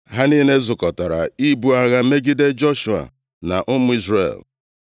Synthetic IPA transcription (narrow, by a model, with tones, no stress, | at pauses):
ɦa˦niː˦ne˦zʊ˨kɔ˨ta˨ɾa̰˨i˦bu˨a˨ɣa˦me˦ɡi˦de˦d͡ʒɔ˦ʃu˨a̰˨ | na̰˨ʔʊ˦mʊ˦i˦zrḛ˨l